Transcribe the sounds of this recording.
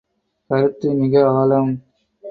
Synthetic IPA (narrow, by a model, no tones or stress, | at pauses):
kɐɾɯt̪ːɯnɪɣɐaːlɐm